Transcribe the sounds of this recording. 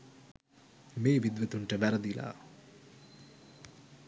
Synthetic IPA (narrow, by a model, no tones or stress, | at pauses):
meːʋid̪ʋət̪uɳʈəʋæɾəd̪ila̰ː